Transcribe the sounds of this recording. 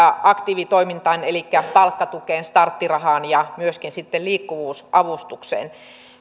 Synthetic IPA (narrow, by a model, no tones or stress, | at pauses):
ɑʔɑkt̪iːʋit̪oimint̪ɑnelikːæpɑlkːɑt̪ukeːnst̪ɑrt̪ːirɑɦɑːnjɑmyøskinsit̪ːelliːkːuʋuːsʔɑʋust̪uksḛːn